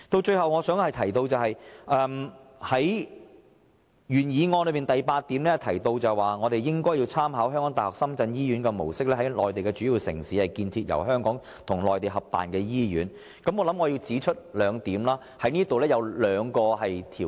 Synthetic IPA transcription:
t̪o˧wt͡ʃɵ˧ɥhɐ˨wŋɔː˨˧sœː˨˥ŋhɐ˨jt̪ʰɐ˨˩jt̪o˧wt͡sɐ˨whɐ˨jʔɛː˧mhɐ˨˥j | jyː˨˩njiː˨˧ŋɔː˧nlɵ˨˧ɥmiː˨nt̪ɐ˨jpaː˧t̪̚ːiː˨˥mlɛː˥t̪ʰɐ˨˩jt̪o˧wt͡sɐ˨˩jwaː˨˩ŋɔː˨˧t̪e˨jjɪ˥ŋkɔː˥ji˧wt͡sʰaː˥mɦaː˨˥wɦœː˥ŋkɔː˨˥ŋt̪ːhɔː˨k̚sɐ˥mt͡sɐ˧njiː˥jyː˨˥nkɛ˧mo̰˨˩wsɪ˥k̚lɛː˥hɐ˨˥jlɔː˨jt̪e˨jkɛ˧t͡ʃyː˨˥jiː˨˧wsɪ̰˨˩ŋsiː˨˥hɐ˨jkiː˧nt͡sʰiː˧t̚jɐ̰˨˩wɦœː˥ŋkɔː˨˥ŋ | t̪ʰʊ˨˩ŋlɔː˨jt̪e˨˩jɦɐ˨p̚ːa̰ː˨nkɛː˧jiː˥jy̰ː˨˥n | kɐ˨˥mŋɔː˧lɐ˨˥mŋɔː˨˧ji˧wt͡siː˨˥t͡ʃʰɵ˥t̚lœː˨˧ŋt̪iː˨˥mlaː˥ | hɐ˨˥jniː˥ɐ˥t̪o˨wlɛː˥jɐ˨˧wlœː˨˧ŋkɔː˧hɐ˨jt̪ʰiː˨˩

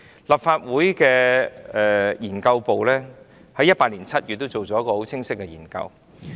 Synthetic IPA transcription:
lɐ˨pfaː˧t̚wuː˨˥jkɛː˧ɛ˨jiː˨˩nkɐ˧wpo˨wlɛː˥ | hɐ˨˥jɐ˥t̚paː˧liː˨˩nt͡sʰɐ˥t̚jyː˨t̪̚ːo˥wt͡so˨wt͡sɔː˨˦jɐ˥kɔ˧ho˨˥wt͡sʰɪ˥ŋsɪ˥k̚ːɛ˧jiː˨˩nkɐ̰˧w

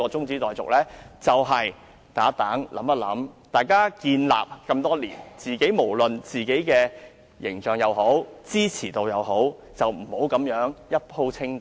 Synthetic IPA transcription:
ɔː˧t͡sʊ˥ŋt͡siː˨˥t̪ɔː˨jt͡sʊ̰˨k̚lɛː˥t͡sɐ˨wɦɐ˨j | t̪aː˨˥t̪aː˨˥ŋlʔɐ̰˨˥mpɐ˥t̚lɐ̰˨˥mt̪aː˨˩jkaː˥kiː˧nla̰ː˨p̚kɐ˧mt̪ɔː˥liː˨˩nt͡siː˨ke˨˥jmo˨˩wlɵ˨nt͡siː˨ke˨˥jkɛː˧ | jɪ̰˨˩ŋt͡ʃœː˨ŋjɐ˨˧wɦo˨˥wt͡siː˥t͡sʰiː˨˩t̪o˧wjɐ˨˧wɦo˨˥w | t͡sɐ˨wm̩˨˩ho˨˥wkɐ˨˧˥mjœː˨˥ŋjɐ˥t̚pʰo˧wt͡sʰɪ˥ŋ

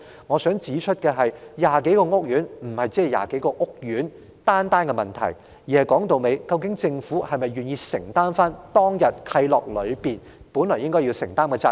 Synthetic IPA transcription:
ŋɔː˨˧sœː˨˥ŋt͡siː˨˥t͡ʃʰɵ˥t̚kɛː˧ɦɐ˨jjaː˨ke˨˥jkɔː˧ŋʊ˥k̚jyː˨˥nm̩˨˩hɐ˨jt͡si˨˥ɛ˨ja̰ː˨ke˨˥jkɔː˧ŋʊ˥k̚jyː˨˥n | t̪aː˥nt̪aː˥nkɛ˧mɐ˨˩nt̪ʰɐ̰˨˩j | jiː˨˩hɐ˨jkɔː˨˥ŋt̪o˨wme˨˧jkɐ˧wkɪ˨˥ŋt͡sɪ˧ŋfuː˨˥hɐ˨jmɐ˨jɥyː˨njiː˧sɪ˨˩ŋt̪aː˥nfaː˥nt̪ɔː˥ŋjɐ˨t̚kʰɐ˧jlɔ̰ː˨k̚lɵ˨˧ɥpiː˨n | puː˨˥nlɔː˨˩jɪ˥ŋkɔː˥jiː˧wsɪ˨˩ŋt̪aː˥mkɛː˧t͡sɐ˧

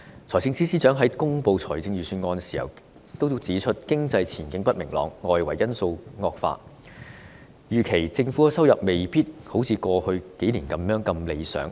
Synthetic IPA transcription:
t͡sʰɔː˨˩jst͡sɪ˧ŋt͡siː˥siː˥t͡ʃœː˨˥ŋɦɐ˨˥jkʊ˥ŋpo˨˧wt͡sʰɔː˨˩jt͡sɪ˧ŋjyː˨˩syː˧nŋɔː˧nsi̥ː˨˩hɐ̰˨˩w | t̪o˥wt͡siː˨˥t͡ʃʰɵ˥t̚kɪ˥ŋt͡sɐ˧jt͡sʰiː˨˩nkɪ˨˥ŋpɐ˥t̚mɪ˨˩ŋlɔ̰ː˨˧ŋːɔː˨˧jwɐ˨˩jɐ˥nso˧wŋɔː˧k̚fa̰ː˧t̚ | jyː˨˩kʰe˨˩jt͡sɪ˧ŋfuː˨˥˨sɐ˥wjɐ˨p̚me˨jpiː˥t̚ho˨˥wt͡sʰiː˨˧kʷɔː˧hɵ˧ke˨˥jliː˨˩nkɐ˨˦mjœː˨˥ŋkɐ˧mle˨˧jsœ̰ː˨˥ŋ

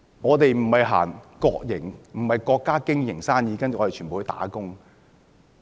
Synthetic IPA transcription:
ŋɔː˨˧t̪e˨jm̩˨˩hɐ˨jɦa̰ː˨˩ŋkɔː˧k̚jɪ˨˩ŋm̩˨˩hɐ˨jkɔː˧kːaː˥kɪ˥ŋjɪ˨˩ŋsaː˥njiː˨˧kɐ˥nt͡ʃy˨ɔ˧te˨t͡ʃʰyː˨˩o˨˧hːt̪a̰ː˨˥kʊ˥ŋ

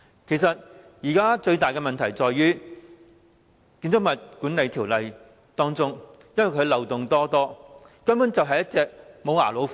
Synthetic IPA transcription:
kʰe˨˩js̬ɐ˨t̚ | jiː˨˩kaː˥t͡ʃɵ˧ɥt̪aː˨jkɛ˧mɐ˨nt̪ʰɐ˨˩jt͡sɔː˨jɥyː˥ | kiː˧nt͡s̪oʊ˥mɐ˨t̚kuː˨˥nle˨˧jt̪ʰiː˨˩wlɐ˨j | t̪ɔː˥ŋt͡sʊ˥ŋ | jɐ˥nwɐ˨˩jkʰɵ˨˧lɐ˨wt̪ʊ˨ŋt̪ɔː˥t̪ɔː˥ | kɐ˥mpu˨˥nt͡sɐ˨wɦɐ˨jɐ˥t̚t͡sɛː˧k̚mo˨˧waː˨˩lo˨˥w

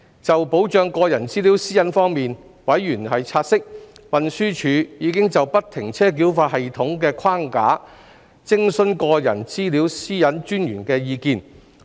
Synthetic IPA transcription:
t͡sɐ˨wpo˨˥wt͡ʃœː˨˧ŋkɔː˧jɐ˨˩nt͡siː˥liː˨˥wsiː˥jɐ˨˥nfɔː˥ŋmiː˨nwɐ˨˥jjyː˨˩nhɐ˨jt͡sʰaː˧t̚sɪ˥k̚wɐ˨nsyː˥t͡ʃʰyː˨˧jiː˨˧kɪ˥ŋt͡sɐ˨wpɐ˥t̚t̪ʰːɪ˨˩ŋt͡sʰɛː˥k̬iː˨˥wfaː˧t̚hɐ˨jt̪ʰʊ˨˥ŋkɛː˧kʷʰwaː˥ŋka̰ː˨˥ | t͡sɪ˥ŋsɵ˥nkɔː˧jɐ̰˨˩nt͡siː˥li˨˥wsiː˥jɐ˨˥nt͡ʃyː˥njyː˨˩nkɛː˧jiː˧kiː˧n

